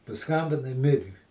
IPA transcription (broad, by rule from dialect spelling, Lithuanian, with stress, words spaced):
pɐˈskɐmʲbʲɪnɐɪ ˈmʲɪrʲɪ